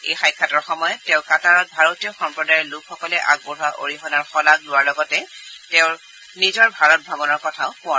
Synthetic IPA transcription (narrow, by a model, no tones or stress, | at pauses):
ejxajkʰːatɔɹxɔmɔjɔtːɛ̃ʊ̃kataɹɔt̚bʱaɹotiɔxɔmpɹɔdaɹɛlukʰxɔkɔlɛʔaɡ̚boɹɦaʔo̰ɹixɔnaɹxɔlaɡlʊwaɹlɔɡɔtɛteʊɹ | nizɔɹbʱaɹɔt̚bʱabɔnɔɹkɔtʰaʊkʊ̃a